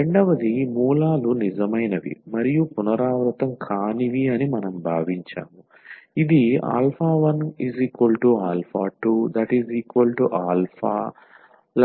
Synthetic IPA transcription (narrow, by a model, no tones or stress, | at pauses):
ɾeɳɖɐʋɐd̪imuːlaːlunid͡ʒɐmɐjnɐʋḭmɐɾijupunɐɾaːʋɾɐt̪ɐmkʰaːniʋiɐnimɐnɐmbʱaːʋiɲt͡ʃa̰ːmu | id̪ia̰ːlpʰaːʋɐniziːkʋɐlʈuaːlpʰaːʈuːd̪ɐʈiziːkʋɐlʈuʔaːlpʰa̰ː | l